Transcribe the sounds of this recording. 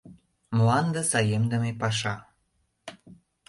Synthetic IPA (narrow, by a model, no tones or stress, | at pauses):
mlɑnd̪ə̆sɑjemd̪ə̆mepɑʃ̬ɑ